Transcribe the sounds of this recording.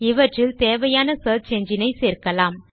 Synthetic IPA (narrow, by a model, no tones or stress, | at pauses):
ɪʋɐʈrɪlt̪eːʋɐjaːnɐsɐːt͡ʃɛɲd͡ʒɪnɐɪseːɾkɐlaːm